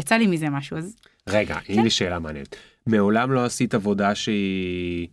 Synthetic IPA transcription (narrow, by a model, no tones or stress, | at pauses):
jat͡salimizemaʃuaz | ʁe̞ɡa̰ʔinɛʃeːlamaːnḛet̪ | meo̞lamlo̞asit̪avo̞daʃei